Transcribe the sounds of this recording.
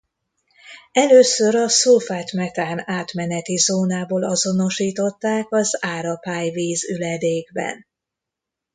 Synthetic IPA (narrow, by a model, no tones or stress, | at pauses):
ɛløːsøɾɒsolfaːt̪mɛt̪aːnaːt̪mɛnɛt̪izoːnaːboːlɒzo̞no̞ʃiːt̪o̞t̪ːaːkɒzaːɾɒpaːjviːzylɛd̪eːɡbɛ̰n